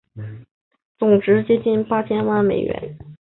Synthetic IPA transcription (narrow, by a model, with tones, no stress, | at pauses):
t͡sʊ˨˩ŋʈ͡ʂɻ̩˧˥t͡ɕjɛ˥t͡ɕi˥˩npa˥t͡ɕʰjɛ˥nwa˥˩nme˨˩ɪɥɛ̰˧˥˦n